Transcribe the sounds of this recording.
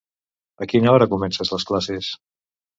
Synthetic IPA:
əkinəɔɾəkumɛnsəzləsklases

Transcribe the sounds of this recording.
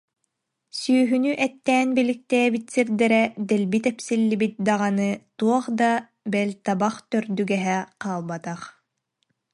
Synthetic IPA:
syːɦynyʔɛt̪ːɛːnbilik̚t̪ɛjɛbit̪siɾd̪ɛɾɛd̪ɛlbit̪ɛpsilːibit̪̚d̪aʁanɯt̪uɔχd̪a | bɛlʲt̪abaχt̪œɾd̪yɡɛɦɛqaːlˠbat̪aχ

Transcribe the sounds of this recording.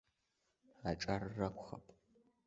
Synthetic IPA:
aʈ͡ʂʼarrɐkʷʼχɐpʼ

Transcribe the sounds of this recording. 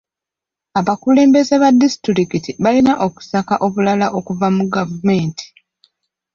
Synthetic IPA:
aβakule̞ːmbe̞zeβadːisi̥tiɾikitiβalinaʔo̞ku̥sakaʔo̞βulalaʔo̞kuvamuɡavume̞ːnti̥

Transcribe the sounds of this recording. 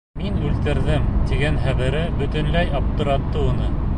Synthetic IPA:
minʉlt̪ɘ̆ɾðɘmt̪iɡænχæβɘ̆ɾɘbɵ̆t̪ɵ̆nlæjɑp̚t̪ɤ̆ɾɑt̪ːɤunɤ

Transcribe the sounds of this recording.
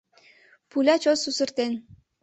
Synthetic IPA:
pulʲɑt͡ɕosusə̆rt̪en

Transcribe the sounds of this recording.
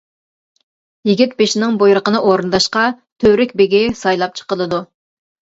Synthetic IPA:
jiɡʲit̪̚beʃinɪŋbojɾəqənɨʔoɾɨnd̪ɑʃqɑ | t̪ʰøɾɪkʲbeɡʲɪsɑjlˠɑp̚t͡ʃʰə̥qəlˠɨd̪u

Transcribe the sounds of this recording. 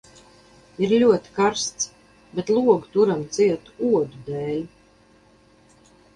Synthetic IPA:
iɾlʲuɔt̪i̥kaɾst̪s | bɛt̪lˠuɔɡt̪uɾamt̪siɛt̪uuɔd̪ud̪ɛːlʲ

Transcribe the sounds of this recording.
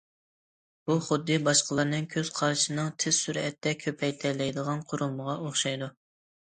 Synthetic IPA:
b̥uχʊd̪ːɨbɑʃqʰəlˠɑɾnɨŋkʲʰøz̥qʰɑɾʃɨnɨŋt̪ʰɪz̥syɾɛt̪ːɛkʲʰøpʰɛjt̪ʰɛlɛjd̪əʁɑnqʰʊɾulˠməʁɑoχʃɑjd̪u

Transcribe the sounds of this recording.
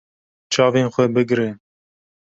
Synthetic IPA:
t͡ʃʰɑːveːnxʷɛbɨɡɾe

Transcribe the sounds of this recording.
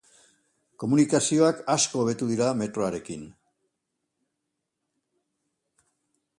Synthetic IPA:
ko̞munikasio̞akasko̞ːβe̞t̪uðiɾame̞t̪ɾo̞aɾe̞kin

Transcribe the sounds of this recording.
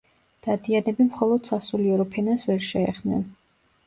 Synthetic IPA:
d̪̥ad̪ianɛbimχɔlˠɔd̪̥sasuliɛɾɔpʰɛnasvɛɾʃɛɛχmnɛ̰n

